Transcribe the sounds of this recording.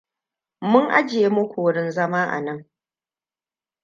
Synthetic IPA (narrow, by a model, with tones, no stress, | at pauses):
mʊ˦ŋʔa̰˦d͡ʒe˦mʊ˦kʷu˨˦ɽɪ˦nzɐ˦maː˦ʔa̰˨nɐ˦ŋ